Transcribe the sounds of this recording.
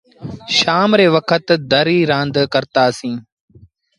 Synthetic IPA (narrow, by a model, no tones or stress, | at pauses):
ʃaːmɾeːʋəkʰət̪d̪əɾiːɾãːnd̪kəɾt̪aːsĩː